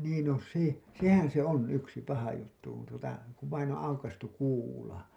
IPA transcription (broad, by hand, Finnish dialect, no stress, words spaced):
niːn no se sehæn se on yksi pɑhɑ jutːu kun tuotɑ kuʋ ʋɑin õː ɑukɑstuk̆ kuːlɑ